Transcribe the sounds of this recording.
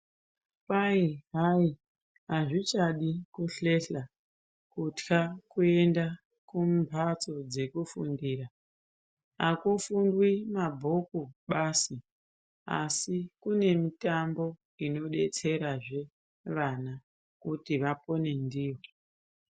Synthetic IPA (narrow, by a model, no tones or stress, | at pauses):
paiɦai | ɦaʐit͡ʃaɗikuɬe̞ɬa | kutkakue̞nda | kumbʱat͡so̞d͡ze̞kufṵndiːra | akufundwimabʱokuɓasi | a̰sikune̞mitambo̞ | ino̞ɗe̞t͡se̞ɾaʐe̞ | ʋana | kutiʋapo̞ne̞ndiːwo